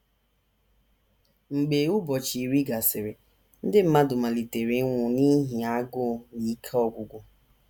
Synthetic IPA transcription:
ŋ͡m̩˨ɡ͡be˨˦u˦bɔ˨t͡ʃi˨ɾi˦ɡa˨sɪ˨ɾɪ˨ | n̩˦dɪ˦m̩˦ma˦dʊ˨ma˨li˨te˨ɾi˨˦ŋʷʊ˨ni˦ɦi˨a˦ɡʊ˦ni˨˦kʰɔ˦˨ɡʷʊ˨ɡʷʊ˦

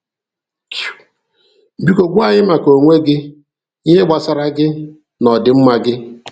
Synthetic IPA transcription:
k | m̩˨bi˦ko˨ɡʷu˦a˨ɲɪ˦ma˨ko˨ŋʷe˦ɡɪ˦ | ɦe˦ɡ͡ba˨sa˨ɾa˦ɡɪ˦ | nɔ˨dɪ˨˦m̩˦ma˨ɡɪ˦

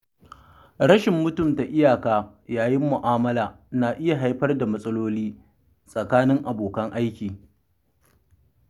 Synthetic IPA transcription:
ɽɐ˦ʃɪ˨mːʊ˦tʊ˦˨mta˨ʔɪ˦jaː˨kaː˦ | jaː˨jɪ˦mːʊ˨ʔaː˦mɐ˦laː˨ | na˨ʔɪ˦ja˨ɦa˦jɸɐ˦rda˨mɐ˦sʼɐ˦loː˦liː˦ | sʼɐ˨kaː˦nɪ˦ŋʔa˨boː˨kɐ˦ŋʔa˦jkʲiː˨

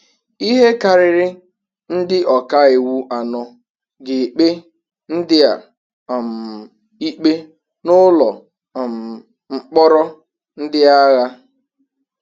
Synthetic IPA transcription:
i˦ɦe˦ka˨ɾɪ˨ɾɪ˦ | n̩˦dɪ˦ʔɔ˨ka˦e˨wu˦ʔa˨nɔ˦ | ɡɪ˨k͡pe˦ | n̩˦dɪ˦a̰˨ | m̩˨ | i˦k͡pe˦ | nʊ˦lɔ˨ | m˨ | ŋ͡m̩˨k͡pɔ˦ɾɔ˦ | n̩˦dɪ˦a˦ɣa˦

